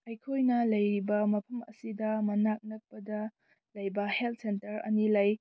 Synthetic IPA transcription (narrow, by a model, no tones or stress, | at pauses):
ɐjkʰojnɐlɐjɾibɐmɐpʰɐmɐ̰sidɐmɐnak̚nɐk̚pɐdɐ | lɐjbɐhelt̚sentɐɾɐ̰nilɐj